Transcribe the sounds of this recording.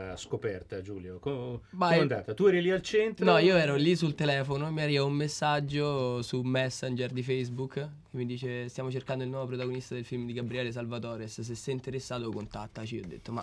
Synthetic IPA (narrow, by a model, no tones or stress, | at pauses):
skopɛrt̪ad͡ʒuːljokoband̪a̰ːt̪at̪uɛɾilialt͡ʃɛnt̪ɾnɔiːoɛːɾolis̬ult̪elɛːfonomiarivaumːesːad͡ʒːosumɛsːand͡ʒerd̪ifɛjsbukːkemːid̪iːt͡ʃest̪jamot͡ʃerkand̪oilnwɔvopɾot̪aɡonist̪ad̪elfilmd̪iɡabɾiɛːles̬alvat̪ɔːɾess̬esːɛjint̪eɾesːaːt̪okont̪at̪ːat͡ʃiɔd̪ːḛt̪ːoma